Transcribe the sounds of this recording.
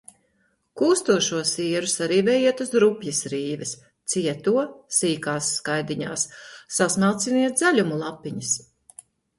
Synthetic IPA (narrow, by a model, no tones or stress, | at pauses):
kuːst̪uɔʃuɔsiɛɾusaɾiːvɛjiɛt̪uzɾupʲjisɾiːvɛs | t̪siɛt̪uɔsiːkaːsːkajd̪iɲa̰ːsːasnaːt̪siniɛt̪̚zalʲumulˠapːiɲis